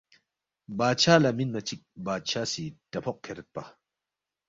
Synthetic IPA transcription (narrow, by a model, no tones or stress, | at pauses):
baːt͡ʃʰalaminmɐt͡ʃik̚baːt͡ʃʰasitɐpʰɔk̚kʰːeɾɛt̪̚pa